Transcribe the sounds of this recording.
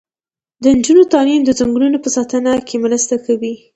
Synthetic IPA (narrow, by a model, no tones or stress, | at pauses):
d̪ənd͡ʒunot̪ɑnimd̪əzaŋɡɽunopəsɑt̪ənakʰemləst̪akawi